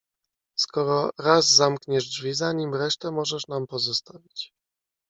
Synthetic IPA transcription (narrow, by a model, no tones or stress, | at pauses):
skɔɾɔɾazːamkɲɛʐdvʲizaɲimɾɛʂt̪ɛmɔʐɛʂnampɔzɔst̪avʲit͡ɕ